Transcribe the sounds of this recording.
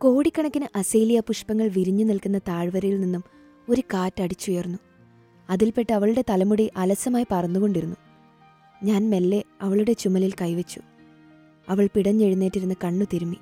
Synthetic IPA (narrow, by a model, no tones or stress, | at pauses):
ko̞ːɽikʲːɐɳɐkʲːinɨʔɐsejlijɐpuʂpɐŋːɐɭʋiɾuɲːunilkunːɐt̪aːɻʋɐɾɐjilninːum | o̞ɾukaːtːɐɽit͡ɕːujernːu | ɐðilpe̞ʈːɨɐʋɐɭuɽe̞t̪ɐlɐmuɽiʔɐlɐsɐmaːjipɐrɐnːuɣo̞ɳɖiɾunːu | ɲaːnme̞lːe̞ɐʋɐɭuɽe̞t͡ɕumɐlilkɐjʋet͡ɕːu̥ | ɐʋɐɭpiɽɐɲːe̞ɻunːeːʈːiɾunːɐkɐɳːut̪iɾumːi